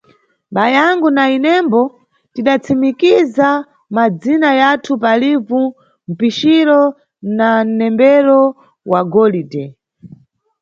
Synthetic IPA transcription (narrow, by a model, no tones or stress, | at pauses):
ɓajaŋɡunainɛmbɔ | tiɗat͡sʰimikiza | mad͡zinajatʰupalivu | m̩piʃiɾɔ | nan̩nɛmbɛɾɔ | waɡɔlidɛ